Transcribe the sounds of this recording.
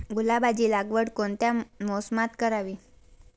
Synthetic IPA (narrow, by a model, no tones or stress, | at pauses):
ɡulabad͡ʑiːlaɡʋəɽkoɳt̪jamosmat̪kəɾaʋiː